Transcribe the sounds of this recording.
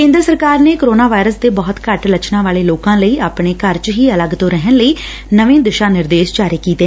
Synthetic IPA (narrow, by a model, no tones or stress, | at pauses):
kẽːnd̪ɾəsəɾkaːɾneːkoɾoːnaːʋaːɪɾəsd̪eːbɔːt̪kəʈlət͡ʃnãːʋaːleːloːkãːləiːʔaːpɳeːkəɾt͡ʃɦiːələɡt̪õːɾɛɦənləiː | nəʋẽːd̪ɪʃaːnɪɾd̪eːʃd͡ʒaːɾiːkiːt̪eː